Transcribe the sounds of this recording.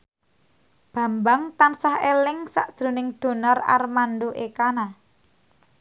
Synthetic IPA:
b̥ä̤mbaŋt̪ansahelɪŋsa̰ʔd̥ʒ̥ɾo̤nɪŋd̪̥o̤nɔra̰rmanɖoʔekana

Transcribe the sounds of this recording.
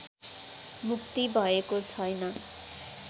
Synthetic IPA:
mukt̪ibʱʌekot͡sʰʌjnʌ

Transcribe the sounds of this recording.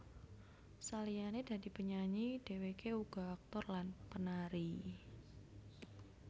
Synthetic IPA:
salijaned̥a̤d̥i̤pəɲaɲid̥e̤wekeuɡ̥ɔ̤ak̚t̪ɔrlanpənaɾi

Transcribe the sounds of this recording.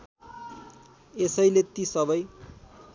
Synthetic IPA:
esʌjlet̪isʌbʌj

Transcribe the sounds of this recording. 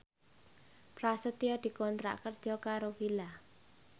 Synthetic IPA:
pɾasət̪ijɔd̪̥i̤kɔnt̪ɾa̰ʔkərd̥ʒ̥ɔkaɾowila

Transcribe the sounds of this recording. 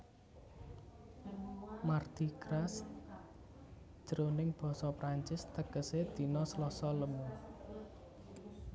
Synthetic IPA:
mard̪̥ikɾas | d͡ʒ̥əɾonɪŋb̥ɔ̤sɔpɾaɲt͡ʃɪst̪əɡ̥əsed̪̥i̤nɔslɔsɔləmu

